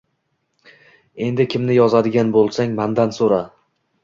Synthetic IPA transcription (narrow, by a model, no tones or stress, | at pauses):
e̞nd̪ɪkʲʰɪmnɪjɒzad̪ɪɡʲanbolˠsaŋmand̪ansoɾa